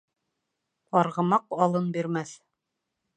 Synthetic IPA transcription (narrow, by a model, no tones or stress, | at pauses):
ɑɾʁɤ̆mɑqɑlˠɤnbiɾmæθ